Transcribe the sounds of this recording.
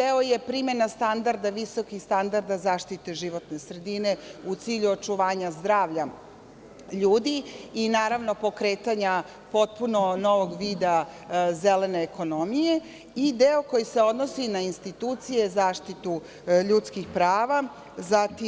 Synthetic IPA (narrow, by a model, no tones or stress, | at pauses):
eoje̞pɾime̞nast̪and̪aɾd̪aʋiso̞kixst̪and̪aɾd̪azaːʃt̪it̪eʒiʋo̞t̪ne̞sɾe̞d̪ine̞ut̪siːʎuot͡ʃuʋaːɲazd̪ɾaːʋʎa | ʎuːd̪iinaːɾaʋno̞po̞kɾeːt̪aɲa | po̞t̪̚punono̞ʋo̞ɡʋiːd̪a | zele̞ne̞ːko̞nomije̞ | id̪eo̞ko̞jise̞o̞d̪nosinainst̪it̪uːt̪sije̞zaːʃt̪it̪u | ʎut̪skixpɾaːʋa | zat̪i